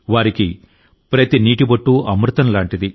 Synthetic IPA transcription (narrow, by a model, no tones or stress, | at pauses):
ʋaːɾiki | pɾɐt̪iniːʈibɐʈːuɐmɾut̪ɐnlaːɳʈid̪i